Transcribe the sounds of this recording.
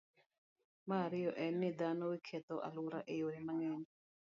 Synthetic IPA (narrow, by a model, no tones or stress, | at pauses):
maɾɪjɔʔɛnːid̪anowikʰɛt̪ɔʔa̰luɾaʔejoɾimaŋɛni